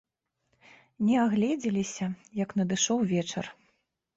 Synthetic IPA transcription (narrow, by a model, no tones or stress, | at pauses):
nʲɛaɣlʲɛd͡zʲɛlʲisʲɐjɐknɐd̪ɨʂɔwvʲɛt͡ʂɐ̰r